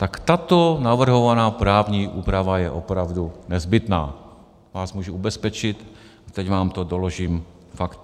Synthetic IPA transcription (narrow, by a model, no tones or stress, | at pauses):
t̪akt̪at̪onavr̩ɦovanaːpɾaːvɲiːʔuːpɾavajɛʔopɾavdunɛzbɪt̪na̰ː | vaːsmuːʒuubɛspɛt͡ʃɪt̪ | at̪ɛcvaːmt̪odoloʒiːm | fakt̪